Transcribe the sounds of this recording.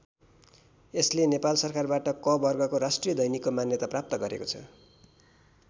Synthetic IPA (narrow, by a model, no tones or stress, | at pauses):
eslenepalsʌrkarbaʈʌkʌbʌrɡʌkoɾasʈrijʌd̪ʌjnikːomanjʌt̪aprap̚t̪ʌɡʌɾḛkot͡sʰʌ̰